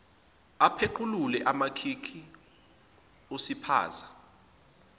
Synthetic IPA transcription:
apʰeǃʰululɛʔamakʰikʰi | osipʰa̰ːza

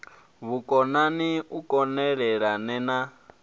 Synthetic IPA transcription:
βukʼɔnaniukʼɔnɛɺɛɺanɛna

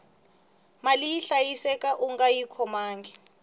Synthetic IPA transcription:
maliiɬajisɛkʼaʔuŋɡajikʰɔmaːŋɡɛ

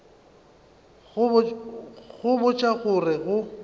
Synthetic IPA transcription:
ɣʊ | ɣʊbʊt͡ʃʼaɣʊrɪɣʊ

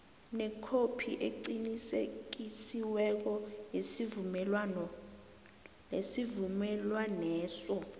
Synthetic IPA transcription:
nɛkʰopʰiʔeǀinisek̬isiwɛk̬ɔjesivumɛlwanɔ | lesivumɛlwanɛːsɔ

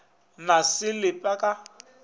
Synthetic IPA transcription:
nasɪlɪpʼakʼa

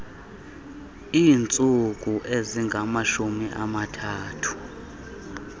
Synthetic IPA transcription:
iːnt͡sʼuk̬ʼuʔeziŋɡʱamaʃumiʔamatʰaːtʰu̥

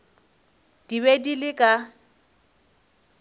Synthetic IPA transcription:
d̥iβedilɪkʼa

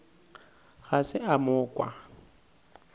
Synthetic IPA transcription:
ɣasɪamʊːkʼwa̰

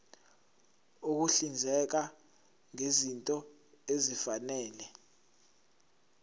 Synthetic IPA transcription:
uk̬uɬind͡zʱɛk̬a | ŋezintʼɔ | ezifanɛːlɛ

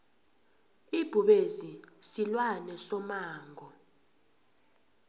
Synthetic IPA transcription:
ib̥ʱuɓezisilwanɛsɔmaːŋʱɔ

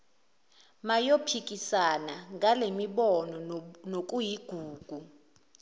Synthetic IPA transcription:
majopʰik̬ʼisanaŋʱalemiɓɔnɔnok̬ʼujiɡ̥ʱuːɡ̥ʱu

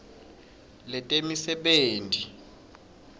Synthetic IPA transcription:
lɛtʼemisɛɓeːntʼi

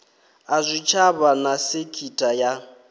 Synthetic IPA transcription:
azʷit͡ʃʰaβanasɪkʰitʼaja

